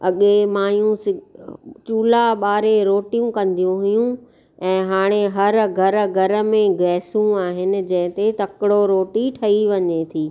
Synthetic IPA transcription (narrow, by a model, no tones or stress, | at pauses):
ɐɠemaːjũsɪt͡ɕuːlaɓaːɾeɾoːʈijũkɐ̃nd̪ijũɦʊjũ | ɛ̃ːɦaːɽ̃eɦɐɾɡʱɐɾɡʱɐɾə̆mẽɡɛːsũaːɦɪnɪ̆d͡ʑɐ̃ɦɪ̃t̪et̪ɐkɪɽoɾoːʈiʈʰɐiʋɐɲet̪ʰiː